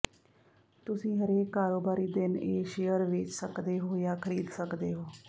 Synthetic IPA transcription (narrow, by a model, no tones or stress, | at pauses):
t̪ʊsĩːɦəɾeːkːaːɾoːbaːɾiːd̪ɪneːʃeːjəɾʋɪt͡ʃsəkd̪eːɦoːjaːkʰəɾiːd̪səkd̪eːɦoː